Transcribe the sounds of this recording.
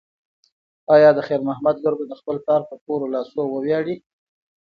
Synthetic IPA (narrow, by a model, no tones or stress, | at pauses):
ɑjɑd̪əxeɾmahmad̪loɾbod̪əxpəlpɑɾpəpoɾolɑsowəwjɑɽi